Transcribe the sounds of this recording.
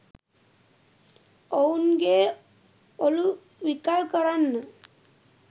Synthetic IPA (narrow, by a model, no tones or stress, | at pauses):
ounɡe | olu | ʋikalkəɾanːə